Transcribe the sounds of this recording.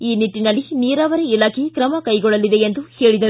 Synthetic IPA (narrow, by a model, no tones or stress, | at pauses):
iːniʈːinɐlːiniːɾaːʋɐɾeilaːkʰekɾɐmɐkɐjɡɔɭːɐlid̪e̞end̪uhe̞ːɭid̪ɐɾ